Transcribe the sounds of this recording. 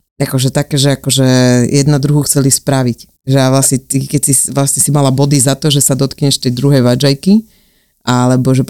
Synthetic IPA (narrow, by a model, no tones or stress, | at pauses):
akɔʒɛt̪akɛːʒɛakɔʒɛjʔɛd̪nad̪ɾuɦuxt͡sɛlispɾaʋic | ʒɛaʋlasɲɛt̪ikɛcsisʋlasɲɛsimalabɔd̪izat̪ɔʒɛsad̪ɔt̪kɲɛʃt̪ɛjd̪ɾuɦɛjʋad͡ʒajki | ʔalɛbɔʒɛp